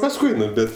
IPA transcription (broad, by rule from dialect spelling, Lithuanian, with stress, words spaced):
pɐsˈkʊɪ ˈnʊ ˈbʲɛt